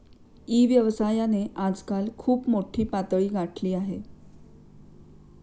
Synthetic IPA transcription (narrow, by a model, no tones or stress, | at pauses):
iːʋjəʋsajaneʔad͡zkalkʰuːpmoʈʰiːpat̪ɭiːɡaʈʰliːaɦe